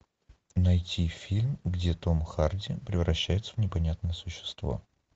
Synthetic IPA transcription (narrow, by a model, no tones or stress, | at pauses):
nɐjtʲʰifʲilʲmɡdʲet̪omxardʲɪpɾʲɪvɾɐɕːæjɪt̪səvnʲɪpɐnʲat̪̚nəjəsʊɕːɪ̥st̪vo̞̰